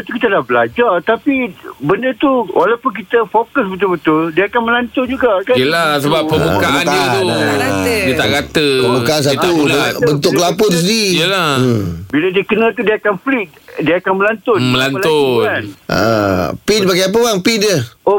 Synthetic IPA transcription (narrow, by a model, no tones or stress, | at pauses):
t̪ukit̪alahbəlad͡ʒat̪apibəndət̪uwʔalawpʊnk̬it̪əfokəsbət̪̬ʊlbət̪ʊldiaakanməlant̪ʊnd͡ʒuɡakajəlasəbappːəmbukaʔandiət̪uadiət̪aʔɡat̪əpəmbukaans̬aubənt̪̬ʊkkəlap̬ot̪us̬ədiijəlabiladiəkənãt̪̬udiaakanflit̪̚ | diaakanməlant̪ʊnmməlanlʊnanʔa̰pinbaɡajap̬əbaŋpidəo